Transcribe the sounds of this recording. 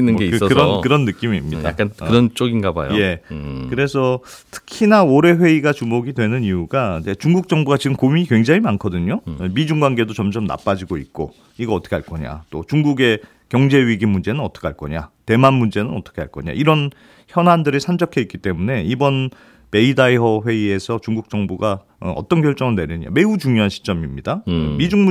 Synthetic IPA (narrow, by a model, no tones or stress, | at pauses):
inːɯnɡesʌɾʌkɯɾʌnːɯk͈imiːmɲida̰k͈ankɯɾʌnt͡ɕ͈oɡinɡaba̰jo̰je̞kɯɾe̞sʰʌtʰɯ̥kʰinaoɾe̞ɸwe̞iɡat͡ɕumoɡidwe̞nɯniuɡad͡ʑet͡ɕuŋɡuk̚t͡ɕ͈ʌŋbuɡat͡ɕiɡɯmkomikwe̞ŋd͡ʑaŋimankʰʌdɯɲomid͡ʑuŋɡwaŋɡe̞dot͡ɕʌmd͡ʑʌmna̰p͈ad͡ʑiɡoit̚k͈o | iɡʌʌt͈ʌkʰaɭk͈ʌɲa̰t͈ot͡ɕuŋɡuɡe̞ | kjʌŋd͡ʑe̞ɥiɡimːund͡ʑe̞nɯnʌt͈ʌ̥kʰeaɭk͈ʌɲa̰te̞manmund͡ʑe̞nɯnʌt͈ʌ̥kʰeɦaɭk͈ʌɲa̰iɾʌn | çjʌnɦandɯɾeɭsʰand͡ʑʌkʰeitk͈it͈e̞mune̞ibʌn | me̞idaiɦʌɸwe̞ie̞sʰʌt͡ɕuŋɡuk̚t͡ɕ͈ʌŋbuɡa | ʌ̰t͈ʌnkjʌɭt͡ɕ͈ʌŋɯɭneɾjʌɲia̰me̞ut͡ɕuŋjoɦanɕʰi̥t͡ɕ͈ʌmimɲidamid͡ʑuŋm